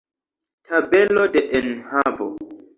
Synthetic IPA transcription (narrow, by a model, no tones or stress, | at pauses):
tʰabelodeʔenhavo̰